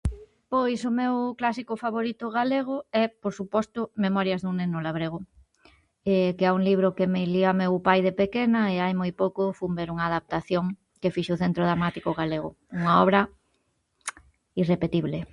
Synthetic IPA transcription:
pojsʊmewklasikofaβoɾit̪ʊɣaleɣ̞ʊɛpoɾsupɔst̪ʊmemɔɾjɐzðuŋnenʊlaβɾeɣ̞ʊ | ɛkeɛuŋliβ̞ɾʊkemɪliamewpajðepekenɐeajmojpowkʊfumbeɾuŋaðap̚t̪aθjoŋ | kefiʃoʊθent̪ɾoðɾamat̪ikoɣaleɣʊ | uŋaɔβɾɐ | irepet̪iβle

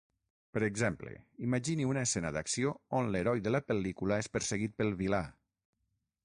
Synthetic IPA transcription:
pəɾeɡzɛmplḛimaʒiniunaesɛnə̰ðaksioonleɾɔjðəlapəlikulaespəɾseɣit̪̚pəlˠβila

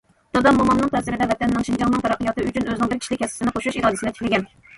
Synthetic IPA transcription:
d̪̥ɑd̪ɑmomɑnːɨŋt̪ʰɛsɪɾɪd̪ɛvɛt̪ʰɛnːɪŋʃind͡ʒɑŋnɨŋt̪ʰɑɾɑqːəjɑt̪ɨyt͡ʃʰynøznɪŋbɪɾkʰʲi̥ʃlɪkʲʰːɛsɪ̥sɪnɨqʰoʃuuʃiɾɑːd̪ɨsɪnɪt̪ʰɪ̥kʰʲlɪɡʲɛn

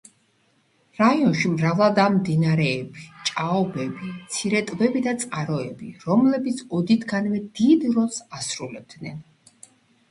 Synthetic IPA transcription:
ɾaiɔnʃimɾavlˠad̪amd̪inaɾɛːbit͡ʃʼaɔbɛbit̪sʰiɾɛt̪ʼvɛbid̪at̪sʼqʼaɾɔɛbiɾɔmlɛbit̪sʰɔd̪it̪ʰɡanvɛd̪̥id̪ɾɔlˠsasɾulɛb̚d̪nɛn

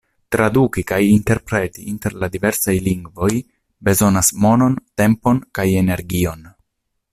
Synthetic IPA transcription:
tɾadukikajinte̞ɾpɾe̞tiʔinte̞ɾladive̞ɾsajliŋɡvo̞j | be̞zo̞nasmo̞no̞nte̞mpo̞nkaje̞ne̞ɾɡio̞n

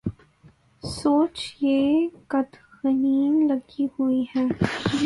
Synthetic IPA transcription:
soːt͡ʃjeːkɐd̪xɐniːnlɐɡihuiɦɛ̃ː

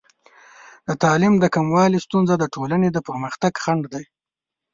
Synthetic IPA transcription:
d̪ət̪ɑlɪmd̪əkamwɑlist̪unzad̪əʈʰolaned̪əpəɾməxt̪aɡxaɳɖd̪aj

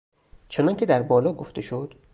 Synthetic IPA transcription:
t͡ʃʰenɒncʲʰe̞d̪æɾbɒːlɒːɡoft̪e̞ʃod̪̥

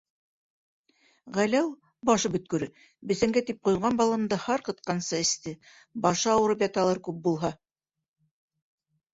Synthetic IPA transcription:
ʁælæw | bɑʃɤpɵ̆t̪̚kɵ̆ɾɵ | bɘ̆sæ̆ŋɡæt̪ip̚qŭjʁɑnbɑlˠɤ̆md̪ɤhɑɾqɤ̆t̪̚qɑnsɤɘ̆st̪ɘ | bɑʃɤɑwɤ̆ɾɤpjɑt̪ɑlˠɤɾkʉp̚bulˠɦɑ

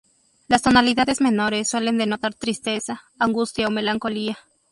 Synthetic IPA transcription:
last̪o̞naliðaðe̞zmẽ̞no̞ɾe̞sːwe̞le̞nd̪e̞no̞t̪aɾt̪ɾist̪e̞saːŋɡust̪jaome̞laŋko̞lia

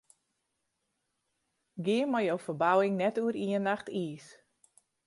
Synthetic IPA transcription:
ɡɪənmajowfərbawɪŋnɛtuəɾiənaxtʰiːs

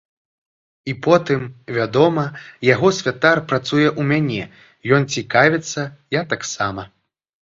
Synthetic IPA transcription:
ipɔt̪ɨmvʲad̪ɔmɐjaɣɔsʲvʲat̪arpɾat̪sujɛʔumʲanʲɛ | jɔnt͡sʲikavʲɛt̪sːɐjat̪aksamɐ

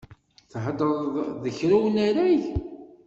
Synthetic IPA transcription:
θħəd̪ɾðəçɾuwənæɾæʝ

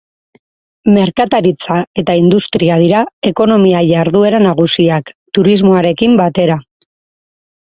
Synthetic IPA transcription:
me̞ɾkat̪aɾit͡sae̞t̪aind̪ust̪ɾiað̞iɾae̞ko̞no̞miaʝaɾðue̞ɾanaɣusiakt̪uɾizmo̞aɾe̞kimbat̪e̞ɾa

